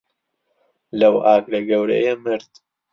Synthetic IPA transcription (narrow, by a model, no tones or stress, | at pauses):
lɐwʔaːklɐɡɐwɾɐ̰jemɨɾd̪